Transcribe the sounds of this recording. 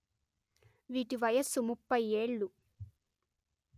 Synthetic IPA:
ʋiːʈiʋɐjɐsːumupːɐje̞ːɭːu

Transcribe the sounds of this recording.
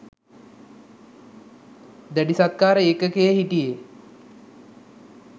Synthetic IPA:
d̪æɖisat̪̚kaːɾəekəkejeɦiʈije

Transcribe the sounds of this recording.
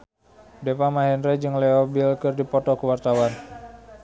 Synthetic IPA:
dɛpamaɦɛnrɛd͡ʒɨŋlɛɔbilkɨrdipɔt̪ɔkəwart̪awan

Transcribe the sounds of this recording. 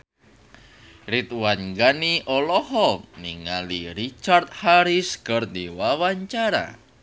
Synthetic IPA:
ɾit̪wanŋɡaniʔɔlɔhɔniŋaliɾit͡ʃart̪̚haɾiskərd̪iwawaɲt͡ʃaɾa̰

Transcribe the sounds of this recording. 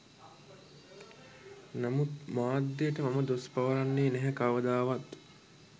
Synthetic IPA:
namut̪̚maːd̪ːejəʈəmaməd̪ospaʋəɾanːeːnæɦækaːʋəd̪aːʋat̪

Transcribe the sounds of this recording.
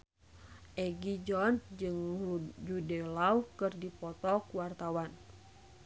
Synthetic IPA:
ʔɛɡid͡ʒɔnd͡ʒɨŋd͡ʒudɛlauhkɨrdipɔt̪ɔkuwart̪awan

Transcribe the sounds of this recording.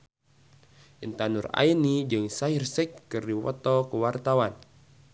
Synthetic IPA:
ʔint̪anura̰inid͡ʒɨŋsairsɛkːɨrdiwɔ̰t̪ɔkəwart̪awan

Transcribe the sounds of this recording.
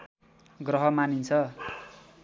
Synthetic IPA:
ɡrʌɦʌmanint͡sʰʌ

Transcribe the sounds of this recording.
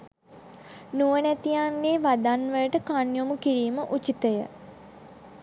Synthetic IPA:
nuʋənæt̪ijaŋɡeʋad̪anʋəjəʈəkanjomukiɾiːməʔut͡ʃit̪əjə̰

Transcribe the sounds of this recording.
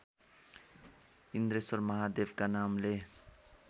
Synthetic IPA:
ind̪ɾesʌrmʌɦad̪ebkanamle

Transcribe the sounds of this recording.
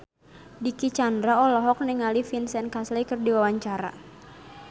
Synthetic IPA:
dikit͡ʃandɾaɔlɔɦɔk̚nɛŋalifinsɛnkaslikɨrdiwawaɲt͡ʃaɾa̰

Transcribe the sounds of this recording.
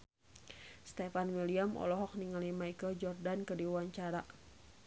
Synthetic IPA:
st̪ɛfanwiliamʔɔ̰lɔɦɔk̚niŋalimaikəld͡ʒɔrdankərdiwaɲt͡ʃaɾa

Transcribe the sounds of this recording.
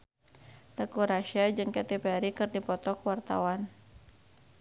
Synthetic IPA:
t̪əkuɾaʃiad͡ʒɨŋkat̪epɛɾikɨrdipɔt̪ɔkwart̪a̰wan

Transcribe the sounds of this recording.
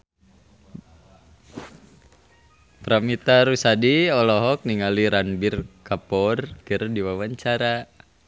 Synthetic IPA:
pɾamit̪aɾusadiɔlɔɦɔk̚niŋaliɾanbirkapɔrkɨrdiwawaɲt͡ʃaɾa

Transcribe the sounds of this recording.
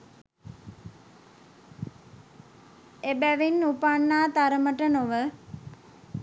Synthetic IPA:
ebæʋinːupanːaːt̪aɾəməʈənoʋə

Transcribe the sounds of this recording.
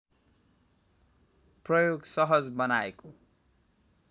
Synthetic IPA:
prʌjoɡsʌɦʌd͡zbʌnaeko

